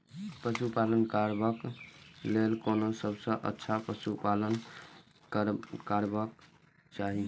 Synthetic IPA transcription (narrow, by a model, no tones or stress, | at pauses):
pəsupalənkaɾbəklelkonosəbsə̃ʔə̰tːʃʰapəsupalən | kəɾkaɾbək | t͡ʃaɦi